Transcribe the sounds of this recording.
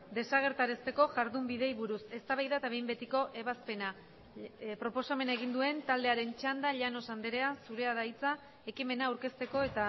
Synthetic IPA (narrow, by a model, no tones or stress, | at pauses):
d̪e̞saɣ̞e̞ɾt̪aɾe̞st̪e̞ko̞ʝaɾðumbiðe̞jβuɾuse̞st̪aβajðat̪aβe̞jmbe̞t̪iko̞ʔe̞βaspe̞na | pɾo̞po̞same̞naeɣ̞ind̪ue̞nt̪ald̪e̞aɾe̞nt͡ʃand̪aʎano̞sand̪eɾe̞asuɾe̞aðait͡sa | e̞kime̞naːwɾke̞st̪e̞ko̞e̞t̪a